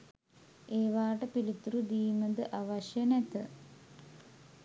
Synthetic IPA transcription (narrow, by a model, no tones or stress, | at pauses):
eːʋaːʈəpilit̪ɾud̪iːməd̪əʔaʋɐʃjɐnet̪ə